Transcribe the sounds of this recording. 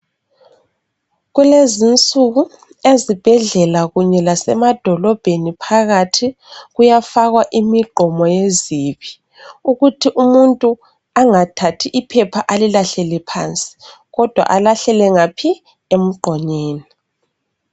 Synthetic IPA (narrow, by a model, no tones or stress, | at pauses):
ɣulezint͡sʼuɣu | ezib̥ʱɛɮɛlaɣuɲɛlasɛmad̥ʱɔlɔb̥ʱenipʰaɣatʰi | ɣujafaɣwaʔimiɡ͡ǃʱɔmɔjeziβi | uɣutʰiʔumuntʼu | aŋatʰatʰiʔipʰɛpʰaʔalilaɬɛlɛpʰaːnt͡sʼi̥ | ɣɔd̥ʱwa̰ʔalaɬɛlɛŋapʰi | em̩ɡ͡ǃʱɔɲeːni